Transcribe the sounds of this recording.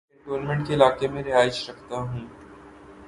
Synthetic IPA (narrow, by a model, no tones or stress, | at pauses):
eɖoːnmẽɳʈkeɪlaːkemẽɾɪɦaːɪʃɾɐkʰt̪aɦũː